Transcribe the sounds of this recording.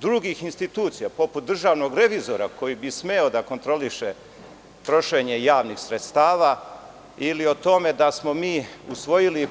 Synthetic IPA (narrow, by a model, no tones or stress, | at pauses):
d̪ɾuɡixinst̪it̪uːt̪sijapo̞put̪̚d̪r̩ʒaːʋno̞ɡɾe̞ʋizo̞ɾa̰ko̞jibisme̞o̞d̪ako̞nt̪ɾo̞liʃe | t̪ɾo̞ʃe̞ɲejaːʋnixsɾet̪st̪aːʋa | ilio̞t̪o̞me̞d̪asmo̞miːusʋo̞jili